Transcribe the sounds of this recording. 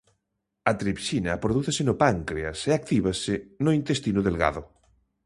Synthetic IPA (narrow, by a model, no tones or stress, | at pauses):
ɐt̪ɾipʃinɐpɾoðuθesenopaŋkɾeaseak̚t̪iβ̞asɪnoint̪est̪inoðelɣa̰ðo